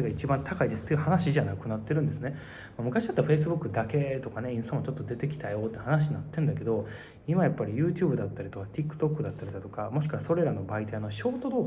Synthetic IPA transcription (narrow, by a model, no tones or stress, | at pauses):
eɡait͡ɕibãnt̪ʰakaid̪e̞sɨ̥t̪ːeiɯ̟hanaɕiʑanakɯ̟nat̪ːe̞ɾɯ̟nd̪e̞sɨne̞ | mamɯ̟kaɕid̪at̪ːaɸe̞is̬ɨbɯkːɯ̟d̪ake̞t̪o̞kane̞ĩst̪amot͡ɕo̞t̪ːod̪e̞t̪e̞kʲi̥t̪ajo̞ːt̪ːe̟hanaɕ̬iɲnat̪ːẽ̞nd̪ake̞d̪o̞ | imajapːaɾʲijɯ̟ːt͡ɕɨ̟ːbɯ̟d̪at̪ːaɾit̪o̞kat̪ʲikːɯ̟̥t̪o̞kːɯ̟d̪at̪ːaɾʲid̪at̪o̞kamo̞ɕi̥kɯβaso̞ɾe̞ɾano̞bait̪ano̞ɕo̞ːt̪o̞d̪o̞ː